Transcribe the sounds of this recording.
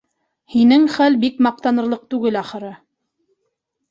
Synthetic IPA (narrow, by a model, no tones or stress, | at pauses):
hinɘŋχælbikmɑq̚t̪ɑnɤ̆ɾlˠɤq̚t̪ʉɡɘlɑχɤ̆ɾɤ